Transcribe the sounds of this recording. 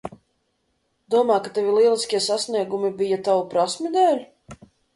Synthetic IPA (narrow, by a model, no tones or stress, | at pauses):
d̪̥uɔmaːkat̪avʲilˠiɛlˠisʲkʲiɛsasniɛɡumibijat̪awupɾasmʲid̪ɛːlʲ